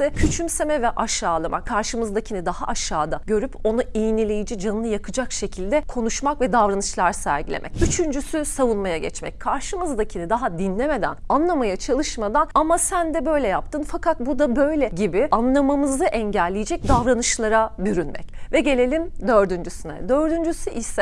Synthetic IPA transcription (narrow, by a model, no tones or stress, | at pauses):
ɯcʰyt͡ʃʰymsemɛvɛʔaʃaːlˠamʔa̰kʰaɾʃɯmɯzd̪acʰinid̪aha̰ʔaʃːaːd̪aɟø̞ɾypo̞nuijinilʲejid͡ʒid͡ʒanːɯjakʰɯd͡ʒakʃe̞cʰilʲd̪ɛkʰo̞nuʃmakvɛd̪avɾanɯʃlˠaɾsæ̰ɾɟilʲḛmɛ̰cyt͡ʃʰynd͡ʒysysavunmajaɟɛ̰t͡ʃmɛ̰c̚kʰaɾʃɯmɯzd̪acʰinid̪aɦad̪inlʲeme̞d̪æ̰nanlˠamajat͡ʃʰalˠɯʃmad̪anamasænd̪ɛbø̞jlʲɛjap̚t̪ʰɯnfakʰat̪̚bud̪abø̞jlʲɛɟibɪanlˠamamɯzaʔɛɲɟɛlʲːijid͡ʒɛc̚d̪avɾanɯʃlˠaɾabyɾynmʔɛ̰cvɛɟe̞lʲe̞lʲimd̪ø̞ɾd̪ynd͡ʒysynɛ̰d̪ø̞ɾd̪ynd͡ʒysyʔisɛ